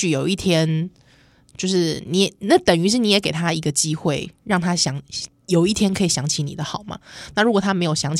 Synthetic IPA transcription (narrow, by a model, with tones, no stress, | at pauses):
y˥˩jo˨˩ʊi˥˩t̪ʰjɛ˥n | t͡ɕjo˥˧ʊʂɻ̩˥˩ni˧˥jɛ˨˦na˥˩t̪ə˨˩ŋy˧˥ʂɻ̩˥˩ni˧˥jɛ˨˥ke˨˩ɪt̪ʰa˥i˧˥ɡə˨t͡ɕi˦˥xwe˥˩ɪɻɑ˥˩ŋt̪ʰa˥ɕjɑ˧˥˦ŋ | jo˨˩ʊi˥˩t̪ʰjɛ˥nkʰɤ˧˥i˨˩ɕjɑ˧˥ŋt͡ɕʰi˧˦ni˨˩d̪ə˦xɑ˨˩˦ʊma̰˦na˥˩˨ɻu˧˥kwɔ˨˩t̪ʰa˥me˧˥ɪjo˨˩ʊɕjɑ˧˥ŋt͡ɕʰ